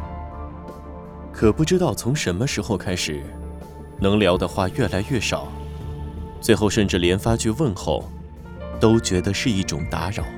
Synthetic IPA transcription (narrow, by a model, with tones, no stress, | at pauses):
kʰɤ˨˩pu˥˩ʈ͡ʂɻ̩˥t̪ɑ˥˩ʊt͡sʰʊ˧˥ŋʂə˧˥nmə˧ʂɻ̩˧˥xo˧ʊkʰa˥ɪʂɻ̩˨˩˦ | nɤ˧˥ŋljɑ˧˥ʊd̪ə˧xwa˥˧ɥɛ˥˩la˧˥ɪɥɛ˥˩ʂɑ˨˩˦ʊ | t͡swe˥˧ɪxo˥˧ʊʂə˥˧nʈ͡ʂɻ̩˥˩ljɛ˧˥nfa˥t͡ɕʰy˥˧wə˥˧nxo̰˥˩ʊ | t̪o˥ʊt͡ɕɥɛ˧˥d̪ə˧ʂɻ̩˥˧i˥˩ʈ͡ʂʊ̰˨˩ŋt̪a̰˧˥ɻɑ˨˩˦ʊ